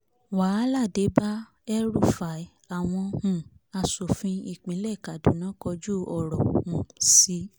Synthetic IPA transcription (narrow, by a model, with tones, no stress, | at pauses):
waː˨˦la˦˨de˨˦ba˦ | ɛ˦ɾu˦˨fa˨˦ | a˨w̃ɔ̃˧hũ˨a˧so˨fĩ˧i˦˨k͡pĩ˨˦lɛ˦˨ka˨du˨˦nã˨˦kɔ˧d͡ʒu˦ɔ˦˨ɾɔ˨hũ˨si˨˦